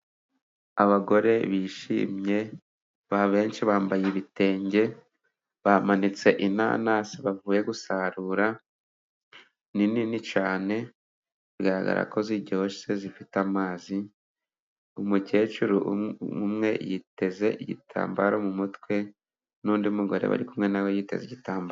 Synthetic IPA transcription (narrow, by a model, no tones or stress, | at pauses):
aβaɡo̞ɾe̞βiʃḭːmɲe̞ | βaβe̞ːnʃiβaːmbajiβite̞ːɲɟe̞ | βamanit͡seʔina̰na̰siβavuːje̞ɡusaɾuːɾa | nininit͡ʃaːne̞ | ɾɡaɾa̰ɡa̰ɾa̰ko̞ziɾɟooʃsezifitamaːzi | umuce̞ːt͡ʃuɾuumŋe̞̰jite̞ze̞ʔiɟḭtʰa̰ːmbaɾomumutkwe̞ | nuːndiumuɡo̞ɾe̞̰βa̰ɾikumŋe̞nawojite̞̰ziɟitaːmba